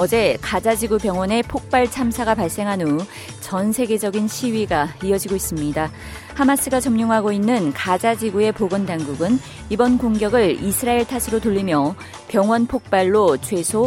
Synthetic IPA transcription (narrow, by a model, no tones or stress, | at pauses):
ʌd͡ʑe̞kad͡ʑad͡ʑiɡupjʌŋwʌne̞pʰok̚p͈aɭt͡ɕʰamsʰaɡapaɭs͈e̞ŋɦanu | t͡ɕʌnsʰe̞ɡe̞d͡ʑʌɡinɕʰiwɥiɡaiʌd͡ʑiɡois͈ɯmɲida | hamas͈ʰɯɡat͡ɕʌmɲoŋɦaɡoinːɯnkad͡ʑad͡ʑiɡue̞poɡɯndaŋɡuɡɯn | ibʌnkoŋɡjʌɡɯɭisʰɯɾaeɭtʰasʰɯɾotuʎːimjʌ | pjʌŋwʌnpʰok̚p͈aɭːot͡ɕʰwe̞sʰo